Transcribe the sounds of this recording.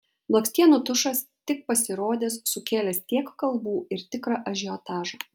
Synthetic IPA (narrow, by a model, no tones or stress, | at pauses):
lˠɔksʲt̪ʲiɛnuːt̪ʊʃɐst̪ʲɪk̚pɐsʲɪɾoːd̪ʲeːssʊkʲeːlʲɛst̪ʲiɛkkɐlˠbuːɪɾt̪ʲɪkɾɑʔɐʒʲɪɔt̪ɑːʒɑː